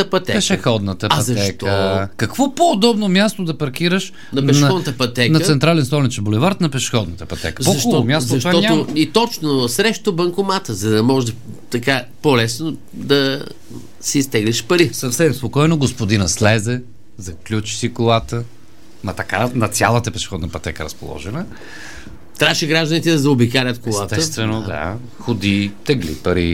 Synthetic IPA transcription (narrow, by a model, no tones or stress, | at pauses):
ɐpɐt̪ɛpɛʃɛxɔd̪nət̪əɐt̪ɐɛtk̪əkɐkvɔpoːd̪ɔbnomʲjast̪od̪ɐpɐɾk̟iɾəʃ | nɐpɛʃɔd̪nət̪əpɐt̪ɛknɐt̪sɛnt̪ɾalɛnst̪ɔlit͡ʃɛbolɛvaɾt̪nɐpɛʃɛ̥xɔd̪nət̪əpɐt̪ɛ̰kəzpoɐʃomʲjast̪oɐʃt̪vaɔtɲaoit̪ɔt͡ʃnʊsɾɛʃt̪obɐŋkʊmat̪əzɐd̪ɐmɔʒd̪ɐt̪ɐkapolɛsno | d̪ɐ | siːst̪ɛɡliʃpɐɾisɐfsɛmspokɔjnoɡospod̪inəslɛzɛ | zɐklʲut͡ʃi̥sikolˠat̪ə | mɐt̪ɐkanɐt̪sʲjalˠət̪əpɛʃɛ̥xɔd̪nəpɐt̪ɛkəɾɐspo̰lˠɔ̰ʒɛnə | t̪ɾaʃiɡɾaʒd̪ənit̪ɛd̪ɐzɐobikaɾʲət̪kollˠat̪ɛəst̪vɛnod̪a̰ | xod̪it̪ɛɡlḭpɐɾḭ